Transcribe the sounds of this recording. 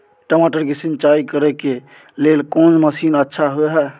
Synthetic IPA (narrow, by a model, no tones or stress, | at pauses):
ʈəmaʈəɾkesint͡ʃaikəɾɛke | lelkond͡ʒməsinətːʃʰaɦoɛɦɛ